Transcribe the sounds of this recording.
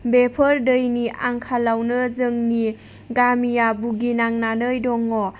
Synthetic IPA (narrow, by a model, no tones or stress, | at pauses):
bepʰəɾdɯjniʔaŋkʰalawnɯzɯŋni | ɡamijabuɡinaŋnanɯjdɔŋːɔ